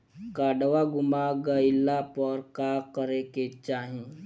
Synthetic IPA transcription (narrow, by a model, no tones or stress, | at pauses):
kaːɖəʋaɡʊmaɡəɪlapɔɾkaːkəɾeket͡ʃaːɦĩ